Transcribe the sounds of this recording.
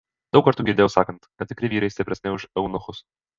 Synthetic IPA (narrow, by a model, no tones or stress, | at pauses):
d̪̥ɐʊkɐɾt̪uːɡʲɪɾʲdʲeːjɛʊsɑːkɐnt̪ʲɐt̪ʲɪkɾʲɪʋʲiːɾɐɪst̪ʲɪpʲɾʲɛsnʲɛɪʊʃɛʊnoxʊs